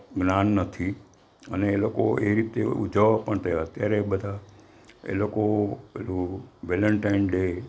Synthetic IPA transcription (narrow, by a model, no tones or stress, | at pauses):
ɡnanːət̪ʰi | ə̰neːlokoeɾit̪ḛud͡ʒʱəʋapəɳt̪əət̪jaɾeɓəd̪ʱa | ḛlokoelũʋeləɳʈainɖe